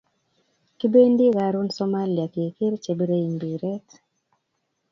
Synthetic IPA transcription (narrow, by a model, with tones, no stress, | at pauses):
ki˦be˦ndi˦ɣa˨ɾu˦nsɔ˦ma˦li˨a˨ke˨ke˦ɾt͡ʃe˨bɾe˦i˨ŋbi˨ɾɛ˦t